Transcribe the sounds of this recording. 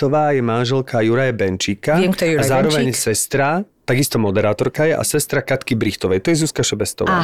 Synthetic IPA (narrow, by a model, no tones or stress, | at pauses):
t̪ɔʋaːjɛmanʒɛlkajuɾajabɛnt͡ʃiːkaɛk̪azaːɾɾɔʋɛɲsɛst̪ɾat̪aɡist̪ɔmɔd̪ɛɾaːt̪ɔɾkajɛʔa̰sɛst̪ɾakat̪kibɾixt̪ɔʋɛjt̪ɔjɛzuskaʃɛbɛst̪ɔ̰ʋa̰ː